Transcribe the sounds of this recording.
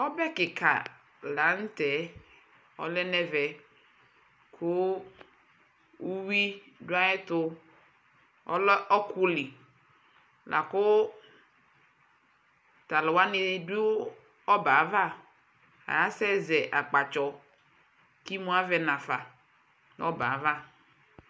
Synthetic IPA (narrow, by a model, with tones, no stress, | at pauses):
ɔ˦bɛ˦kɪ˨kʰa̰˨ | la˨ŋ̩˦t̪ɛ˨˦ | ɔ̰˦lɛ˦nɛ˦vɛ˨ | kʰʊ˦ | wu˦wi˦dʊ˦a˦ɛ˦t̪ʊ˦ | ɔ̰˦lɔ˦ʔɔ˦kʰu˦li˨ | lʔa̰˨kʊ˦ | t̪a˨lɔ˨wa˦nɪ̃˨˦du˦ | ɔ˦ba˨˦va˦˨ | a̰˨ja˦sɛ˦zɛ˨ʔa˨k͡pa˨t͡ʃɔ˨ | ki˦mũ˦a˦vɛ˨nã˨fa˨˦ | ɔ̰˦ba̰˨˦va˦